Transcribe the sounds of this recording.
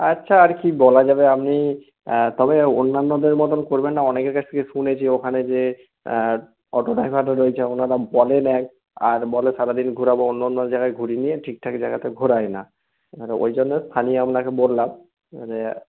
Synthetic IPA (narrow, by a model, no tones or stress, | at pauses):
atːɕʰaːɾkibɔlad͡ʑabeamni | t̪ɔbeonːanːod̪eɾmɔt̪onkoɾbenːaɔnekeɾkat͡ɕʰt̪ʰekeʃunet͡ɕʰiokʰaned͡ʑe | ɔʈoɖajpaʈaɾojt͡ɕʰeonaɾabɔlenɛk̚ | aɾbɔleʃaɾad̪inɡʱuɾabaonːanːoɾd͡ʑaɡaeɡʱuɾinieʈʰik̚ʈʰakd͡ʑaɡat̪eɡʱuɾajna | ɾo̰jd͡ʑonːest̪ʰanioamnakebolːam | e